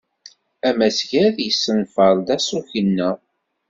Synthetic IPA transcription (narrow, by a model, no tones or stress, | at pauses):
æmæsʝæðjəsːənfəɾˤd̪æsuçənːə